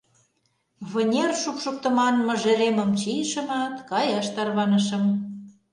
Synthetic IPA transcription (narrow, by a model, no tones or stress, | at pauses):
βə̆nʲerʃukʃuk̚t̪ə̆mɑnmə̆ʒĕɾemə̆mt͡ɕijʃə̆mɑt̪kɑjɑʃt̪ɑrβɑnə̆ʃə̆m